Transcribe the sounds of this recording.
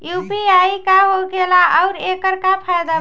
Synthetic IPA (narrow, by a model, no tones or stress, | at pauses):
jupiaikaɦoɡelaʔɔʊɾekəɾkapʰajd̪a